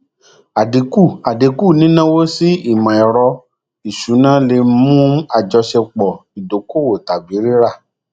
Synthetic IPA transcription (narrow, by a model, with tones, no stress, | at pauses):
a˨di˨˦ku˦˨a˨de˨˦ku˦˨nĩ˦nã˦wo˦si˦i˦˨mã˨ɛ˨ɾɔ˧ | i˨ʃu˨˦nã˦le˧˦mũ˦a˦˨d͡ʒɔ˧ʃɛ˧k͡pɔ˨i˨do˨˦ko˦˨wo˨ta˨bi˨˦ɾi˦ɾa˦˨